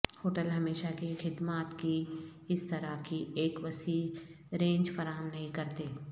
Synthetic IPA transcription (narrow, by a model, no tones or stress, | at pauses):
hoːʈəlɦɐmeːʃakixɪd̪maːt̪kiɪst̪ɐɾakiʔeːkʋɐsiː | ɾẽːɲd͡ʒfɐɾaːɦəmnɐɦĩkɐɾt̪eː